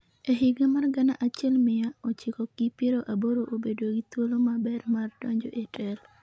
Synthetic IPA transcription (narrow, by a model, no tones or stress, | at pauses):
eɦɪɡemarɡanaʔat͡ʃɛlmɪjaot͡ʃɪkɔɡipjeɾoʔaboɾoʔobedoɡit̪wolomabɛrmardɔɲd͡ʒo̰ʔetʰɛl